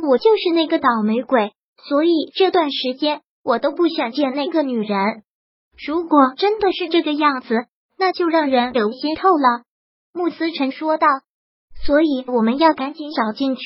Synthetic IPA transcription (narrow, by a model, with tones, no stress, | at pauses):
wɔ˨˩t͡ɕjo˥˧ʊʂɻ̩˥˧na˥˩ɡə˩t̪ɑ˨˩ʊme˧˥ɪkwe˨˩˦ɪ | swɔ˧˥i˨˩˦ʈ͡ʂɤ˥˧t̪wa˥˩nʂɻ̩˧˥t͡ɕjɛ˥n | wɔ˨˩t̪o˥ʊpu˥˩ɕjɑ˨˩ŋt͡ɕjɛ˥˩nna˥˩ɡə˧ny˨˩ɻə˧˥n | ɻu˧˥kwɔ˨˩ʈ͡ʂə˥nd̪ə˨ʂɻ̩˥˧ʈ͡ʂɤ˥˩ɡə˩jɑ˥˩ŋd͡zɹ̩˩ | na˥˧t͡ɕjo˥˧ʊɻɑ˥˩ŋɻə˧˥nljo˧˥ɕi˥nt̪ʰo˥˩ʊlə˩ | mu˥˩sɹ̩˥ʈ͡ʂʰɤ˧˥ŋʂwɔ˥t̪ɑ˥˩ʊ | swɔ˧˥i˨˩˦wɔ˨˩mə˧˦njɑ˥˩ʊka˧˥nt͡ɕɛ˧˥nʂɑ˨˩ʊt͡ɕi˥˧nt͡ɕʰ